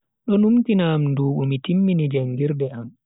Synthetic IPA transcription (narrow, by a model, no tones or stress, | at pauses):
ɗɔnumtinamnduːɓumitimːinid͡ʒaŋɡiɾdɛam